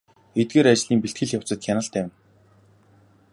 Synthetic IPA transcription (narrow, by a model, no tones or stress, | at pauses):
et̪̚ɡeːɾat͡ɕɮiːŋpiɬt̪ɡɘ̆ɮjaw̥t͡sə̆t̪̚xʰʲanə̆ɬt̪æwʲɪ̆n